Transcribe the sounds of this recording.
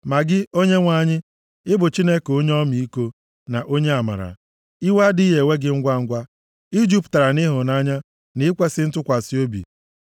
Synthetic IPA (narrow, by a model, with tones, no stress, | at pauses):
ma˨ɡɪ˦o˦ɲe˦ŋʷa˨ɲɪ˦ | ɪ˦bʊ˨t͡ʃi˦ne˦ko˦ɲe˦ɔ˦mi˨i˦ko˦ | na˨ʔo˦ɲe˦a˨ma̰˨ɾa̰˨ | i˦wa˦di˦ɦe˨we˦ɡɪ˦ŋ̩˦ɡʷa˦ŋ̩˦ɡʷa˦ | i˦d͡ʒu˦pta˨ɾa˨nɪ˦ɦʊ˨na˦ɲa˦ | nɪ˦ɪ˦kʷe˦sɪ˦n̩˦tʊ˦kʷa˨si˦o˦bḭ˨